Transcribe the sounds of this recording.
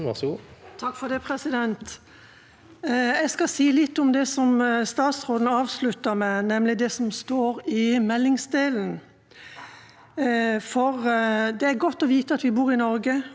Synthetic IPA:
ɑɡuːt̪ʰɑkːfɔd̪ɛpʰɾɛsɪd̪ɛnt̪ | ɛɪskɑsiːlɪt̪ːɔmd̪ɛsɔmst̪ɑːt̪sʁoːd̪n̩əɑːʋslʉt̪ːəmɛnɛmlɪd̪ɛsɔmst̪oːɾɪmɛlːɪŋsd̪eːln̩ | fɔʁd̪ɛæɾɡɔt̪ːɔʋiːt̪əɑt̪ʋɪbuːɾɪnɔɾɡə

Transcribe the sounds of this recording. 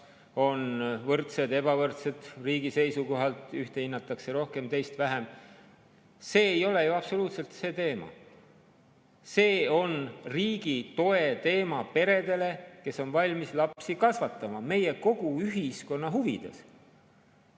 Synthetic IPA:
o̞nvɤrt̪se̞d̪e̞b̥ɑvɤrt̪se̞d̪̥riːɡ̥ise̞jsuko̞ɦɑlt̪ˑyht̪e̞hinːɑt̪ːˑɑkse̞ɾo̞hke̞mt̪e̞jst̪væɦem | se̞ːejo̞le̞juɑb̥so̞luːt̪se̞lt̪se̞ːt̪e̞ːmɑ̰ | se̞ːo̞nriːɡ̥it̪o̞e̞t̪e̞ːmɑpe̞ɾe̞d̪e̞le̞ke̞sːo̞nvɑlʲmislɑpsikɑsvɑt̪ːˑɑmɑme̞jeko̞ɡ̥uyɦisko̞nːɑɦuvid̪̥ḛs

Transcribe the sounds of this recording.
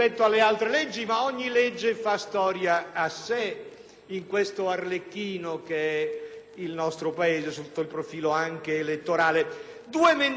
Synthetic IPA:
ɛt̪ːoalːealt̪ɾelɛd͡ʒːimaɔɲːilɛd͡ʒːefast̪ɔːɾjaːsːe | iŋkwest̪oarlekːiːnokeɛ | ilnɔst̪ɾopaeːzesut̪ːoilpɾofiːloaŋk̟eːlet̪ːoɾaːle | d̪uːemen

